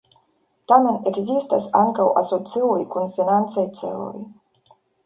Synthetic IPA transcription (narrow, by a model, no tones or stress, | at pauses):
t̪amenekzist̪asaŋkawʔa̰sot̪siwujkunfinant̪sejt̪sḛlṵj